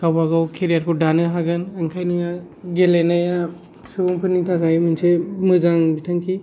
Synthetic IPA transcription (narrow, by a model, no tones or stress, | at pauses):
kawbaɡawkʰeɾijaɾkʰudanɯɦaɡɯnaŋkʰajnɯɡa | ɡelenaja | subuŋpʰɯnitʰakʰajmɯnsemɯzaŋbitʰaŋkʰi